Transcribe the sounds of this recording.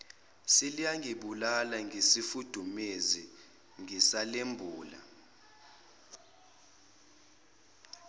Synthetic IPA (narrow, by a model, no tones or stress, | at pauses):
silijaŋʱiɓulalaŋʱisifud̥ʱumezi | ŋisalembʱuːla̰